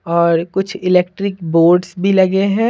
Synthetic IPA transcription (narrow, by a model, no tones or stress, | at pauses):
ɔːɾkʊt͡ʃʰɪleːkʈɾɪkboːɾɖsbʱilɐɡeɦɛ̃ː